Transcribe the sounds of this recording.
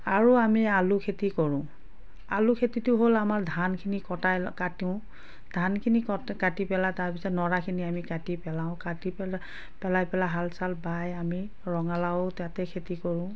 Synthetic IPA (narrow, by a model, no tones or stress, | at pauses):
aɹuamialukʰetikɔɹʊ̃ | alukʰetitʊɦolamaɹdʱankʰinikɔtajkatiʊ̃ | d̥ʱankʰinikɔkatipɛlataɹpisɔtnɔɹakʰiniamikatipɛlaʊ̃katipɛ | pɛlajpɛlaɦalsalbajami | ɹɔŋalawʊtjãtɛkʰetikɔɹʊ̃